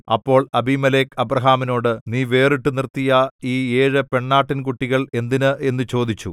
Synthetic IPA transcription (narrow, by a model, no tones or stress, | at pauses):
ɐ̰pːo̞ːɭɐbʱimɐleːkɐbrɐɦaːmino̞ːɽɨniːʋe̞ːriʈːɨnirt̪ːijɐiːeːɻɨpe̞ɳːaːʈːinkuʈːiɣɐɭe̞nd̪inɨʔe̞nːɨt͡ɕo̞ːd̪it͡ɕːu